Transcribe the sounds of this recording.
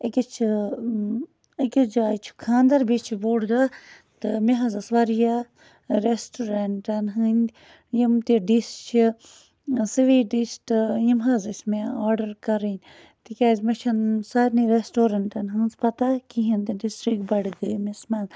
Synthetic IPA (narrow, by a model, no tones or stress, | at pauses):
ikʲit͡ʃʰ | ikʲid͡ʒaːt͡ʃʰu̥kʰãːnd̪ɐɾbit͡ʃʰiboːɽd̪a | t̪ɨmẽɦɐzasʋaːɾija | ɾesʈoːɾɐɳʈɐnɦɨnʲd̪ʲ | jimt̪iɖisʈt͡ʃʰi | siʋiːɖisʈjimɦaːzismeaːɾɖɐɾkɐɾinʲ | t̪ikʲaːzmɐt͡ʃʰɐnsaːɾniɾesʈoːɾɐɳʈɐnɦɨnzpɐt̪akiɦĩnt̪eɖisʈɾikbɐɽɡəmesmaːn